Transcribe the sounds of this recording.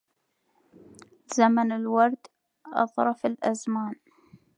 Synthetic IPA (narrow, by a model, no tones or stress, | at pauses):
z̥amanɪlwɑɾˤd̪ | ʔɑ̰ðˤɾˤɑfɪlʔazmaːn